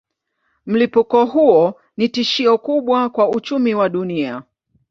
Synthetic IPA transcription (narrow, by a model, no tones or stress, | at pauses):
m̩lipukɔɦuɔ | nitiʃiɔkuɓwakwaut͡ʃumiwaɗunia